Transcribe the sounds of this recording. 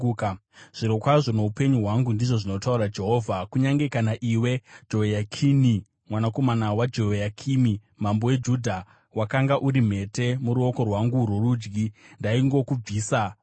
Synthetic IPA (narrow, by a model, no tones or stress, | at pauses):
ʐ̥iɾo̞kwaʐo̞no̞upe̞ɲuɦwaŋɡundiʐo̞ʐino̞tauɾad͡ʒe̞ɦo̞ːvʱakuɲaŋɡe̞kanaʔiwe̞d͡ʒo̞jakʰini | mwanako̞manawad͡ʒo̞jakʰimi | mambo̞we̞d͡ʒudʱa | wakaŋɡaʔuɾim̤e̞te̞muɾuo̞ko̞rwaŋɡurworud͡ʒɡindaiŋɡo̞kub͡viːsa